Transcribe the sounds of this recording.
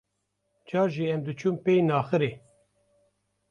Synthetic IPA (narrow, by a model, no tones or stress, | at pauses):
d͡ʒɑːɾʒiɛmd̪ɨt͡ʃʰumpejnɑːxɨɾe